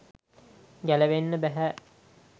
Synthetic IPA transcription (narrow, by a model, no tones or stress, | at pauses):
ɡæleʋenːəbæɦæ